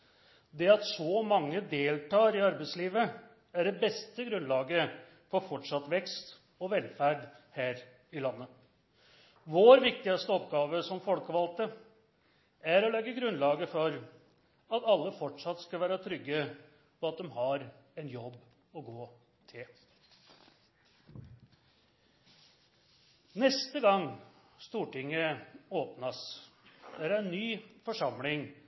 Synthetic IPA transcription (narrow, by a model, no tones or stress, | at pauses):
d̪ɛɑt̪sɔmɑŋːəd̪eːlt̪ʰɑːɾɪɑɾbæɪsliːʋə | æɖɛbɛst̪əɡɾʉnlɑːɡə | fɔɾfɔʈʂɑt̪ːʋɛkst̪ | ɔʋɛlfæɖhæːɾ | ɪlɑnːə | ʋoːɾʋɪk̚t̪ɪɡɑst̪əɔpɡɑːʋəsɔmfɔlkəʋɑlt̪ə | æɾɔlɛɡːəɡɾʉnlɑːɡəfɔɾ | ɑt̪ɑlːəfɔʈʂɑt̪ːskɑlʋæːɾət̪ʰɾʏɡːə | pʰɔɑt̪̚d̪ɛmhɑɾɛnjɔbː | ɔɡoː | t̪ʰɪl | nɛst̪əɡɑŋ | st̪uːʈɪŋːəoːpnɑs | d̪æɾæænːyːfɔʂɑmlɪŋ